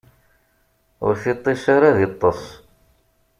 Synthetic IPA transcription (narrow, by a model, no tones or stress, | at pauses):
ʊ̰ɾθit̪ˤːisaɾaðit̪ˤːəsˤ